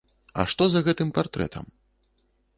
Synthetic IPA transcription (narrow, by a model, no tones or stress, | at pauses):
ɐ̰ʂt̪ɔzɐɣɛt̪ɨmpart̪ɾɛ̰t̪ʰɐ̰m